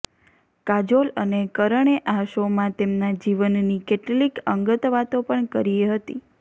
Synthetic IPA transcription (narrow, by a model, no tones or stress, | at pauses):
kad͡ʒolənekəɾəɳ̃eʔaʃomãt̪emnad͡ʒiʋənnikeʈlikəŋɡət̪ʋat̪opəɳkəɾieɦət̪ḭ